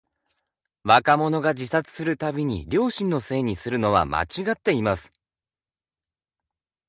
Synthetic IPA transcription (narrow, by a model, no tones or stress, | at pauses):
βakamo̞no̞ɡad͡ʑisat͡sɨ̥sɨɾɯ̟t̪abʲiɲ̟ḭɾʲo̞ːɕĩnːo̞se̞ːɲ̟isɨɾɯ̟no̞βa̰mʔa̰t͡ɕiɡat̪ːe̞imasɨ̥